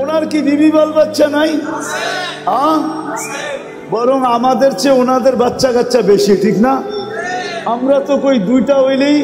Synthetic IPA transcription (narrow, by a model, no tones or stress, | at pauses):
onaɾkid̪ibʱibalbatːʃanaj | ɦã | bɔɾoŋamad̪eɾt͡ɕeonad̪eɾbatːʃakatːʃabeʃiʈʰikna | amɾat̪okojd̪ujʈaɦojlij